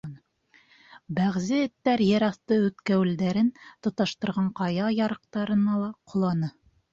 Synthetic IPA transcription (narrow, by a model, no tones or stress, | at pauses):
bæʁzɘɘ̆t̪ːæɾjɘ̆ɾɑθt̪ɤʉt̪kæwɘ̆ld̪æɾɘnt̪ŏt̪ɑʃt̪ɤ̆ɾʁɑɴqɑjɑjɑɾɤ̆q̚t̪ɑɾɤ̆nɑlˠɑqʰŏlˠɑnɤ